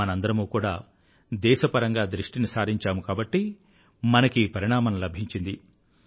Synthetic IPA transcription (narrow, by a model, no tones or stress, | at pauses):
ɐnɐnd̪ɐɾɐmuːkuːɽaː | d̪ɛːʃɐpɐɾɐŋɡaːd̪ɾiʂʈinisaːɾiɲt͡ʃaːmukaːbɐʈːi | mɐnɐkiːpɐɾiɳaːmɐnɐlɐbʱiɲt͡ʃind̪i